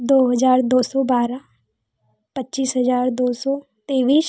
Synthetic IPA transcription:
d̪oːɦəd͡ʒaːɾd̪oːsɔːbaːɾaː | pətːt͡ʃiːsɦəzaːɾd̪oːsɔː | t̪eːʋiːs

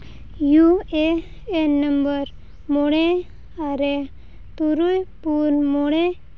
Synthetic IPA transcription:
jue | enəmbəɾ | moɽ̃e | aɾe | t̪uɾujpunmoɽ̃e

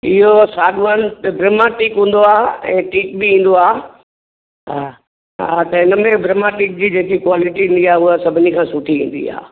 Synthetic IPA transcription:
ɪɦosaːɡʋaːnt̪bɾɪmaʈiːkɦũːn̆d̪oaːɛ̰̃ːʈiːkbiĩːn̆d̪oaː | ɦa | ɦa̰t̪ɐɪnmẽbɾɪmaʈiːk̚d͡ʑiːd͡ʑeːkikwaːlɪʈiĩːnd̪iaːʊɦasɐbʱɪnikʰãːsʊʈʰiʋḭ̃ːn̆d̪ḭa̰ː

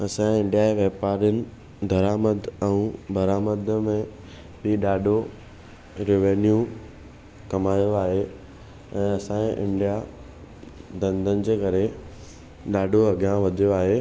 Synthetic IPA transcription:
ɐsãɪ̃ɳɖijaʋeːpaːɾjʊnɪ̆ | d̪ʱɐɾaːməd̪ɛ̃ũbʱɐɾaːməd̪ʱmẽ | ɓiɗaːɖʱo | ɾɪʋeːnju | kɐmaːjoaːɦe | ɛ̃ːɐsãːʔɪ̰̃ɳɖija | d̪ɐ̃nd̪ʱənɪ̆d͡ʑeːkɐɾe | ɗaːɖʱoɐɡʱjãʋɐd̪ʱijoaːɦe

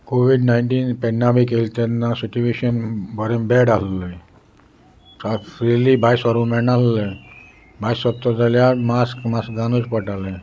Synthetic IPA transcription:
koʋiɖnaiɳʈiːnpɛɳːabikelt̪ɛnːasit͡ɕueɕənbəɾẽmbɛɽallə | afɾilibajsʋaɾũmɛɳalle | bajsət̪ːɔd͡zaljamaskmaskɡanut͡spəʈalẽ

